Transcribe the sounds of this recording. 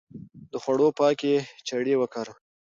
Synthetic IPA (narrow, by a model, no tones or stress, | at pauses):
d̪əxwaɽopɑket͡ʃaɽewəkaɾ